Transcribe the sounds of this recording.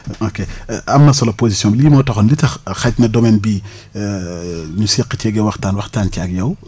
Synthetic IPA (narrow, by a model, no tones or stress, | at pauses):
okeɐmnɐsɔlɐposisjɔ̃bliːmɔtɐxɔnlitɐxɐcnɐdomɛːnbi | ɲusiqːət͡ʃɛɡɛwɐxtaːnwɐxtaːncakjɐw